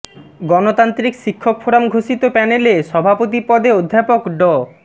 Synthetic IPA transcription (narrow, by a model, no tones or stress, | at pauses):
ɡɔnot̪ant̪ɾikʃikʰːokfʰoɾamɡʱoʃit̪opɛneleʃɔbʱapot̪̬ipɔd̪eod̪ʱːapokɖɔ